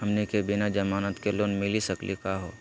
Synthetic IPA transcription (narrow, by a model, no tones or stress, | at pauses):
ɦɐmnikebɪnad͡ʒɐmaːnət̪keloːnmɪlisɐklikaːɦoː